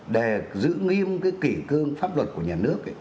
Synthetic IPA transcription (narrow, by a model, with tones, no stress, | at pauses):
ɗe˧˩zɨ̰˧˥ŋi˧əmkaː˨˦jki˧˩kɨ˧əŋfaː˦˥p̚lwə˨˩t̚ku˧˩əɲaː˨˩nɨ˦˥ək̚